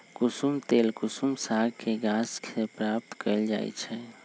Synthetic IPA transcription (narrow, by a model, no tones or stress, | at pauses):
kusumt̪elkusumsaɡkʰeɡaskepɾap̚t̪kəld͡ʒa̰j̰t͡ʃʰɛ